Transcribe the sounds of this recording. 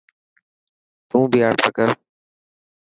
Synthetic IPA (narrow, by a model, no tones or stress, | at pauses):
t̪ũːbiaːɾt̪ʰakəɾ